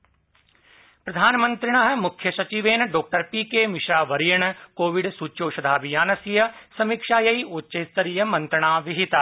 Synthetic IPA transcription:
pɾɐd̪ʱaːnmə̃nt̪ɾɪɳ̃aːɦmʊkʰjəsɐt͡ʃiʋeːnɖɔːk̚ʈəɾpiːkeːmɪʃɾaːʋəɾijəɳkoːʋɪɖsuːt͡ʃoːʃɐd̪ʱaːbijaːnəsijəsɐmikʃaːjɐiʊt͡ʃest̪əɾijəmɐ̃nt̪ɾəɳ̃aːʋɪɦɪt̪aː

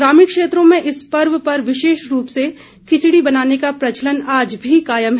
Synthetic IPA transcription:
ɾaːmikʃeːt̪ɾõmẽʔɪspɐɾʋpɐɾʋɪʃeːʃɾuːpse | kʰɪt͡ʃɽibɐnaːnekapɾɐt͡ʃələnaːd͡ʒbʱikaːjəmɦ

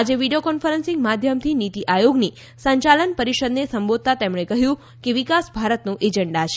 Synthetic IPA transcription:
ad͡ʒeʋiɖijokɔnfəɾənsɪ̃ŋɡmad̪ʱjəmt̪ʰinit̪iʔajoɡni | səɲt͡ʃalənpəɾiʃəd̪nesəmbod̪̚t̪at̪emɳ̃ekəɦjũ | keʋikasbʱaɾət̪nũʔed͡ʒəɳɖat͡ʃʰe

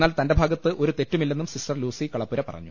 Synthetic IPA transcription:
aːlt̪ɐndebʱaːɡɐt̪ːɨʔo̞ɾut̪e̞tːumilːe̞nːumsisʈɐrluːsikɐɭɐpːuɾɐpɐ̰rɐ̰ɲːu

